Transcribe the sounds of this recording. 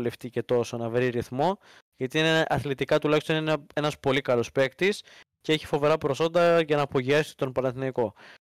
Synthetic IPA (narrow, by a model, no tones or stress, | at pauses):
left̪ice̞t̪o̞so̞nɐvɾiɾiθmo̞ | ʝɐt̪iineʔɐθlit̪ikɐt̪ulɐçst̪o̞ninee̞nɐspo̞likɐlo̞spe̞kt̪is | ceeçi̥fo̞ve̞ɾɐpɾo̞so̞nd̪ɐʝɐnɐːpo̞ʝiɐsi̥t̪o̞npɐnɐθnɐiko̞